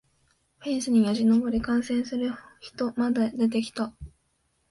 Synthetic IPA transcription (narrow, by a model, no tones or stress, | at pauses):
ɸẽ̞ɰ̃sɨɲ̟ijaʑino̞bo̞ɾʲikãɰ̃sẽ̞ɰ̃sɨɾɯ̟çi̥t̪o̞mad̪ad̪e̞t̪̬e̞kʲi̥t̪a